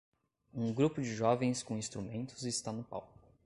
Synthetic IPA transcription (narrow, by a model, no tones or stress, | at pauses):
ũɡɾupʊd͡ʒɪʒɔvẽj̃skõĩst̪ɾumẽnt̪ʊzɪst̪anʊpa̰wk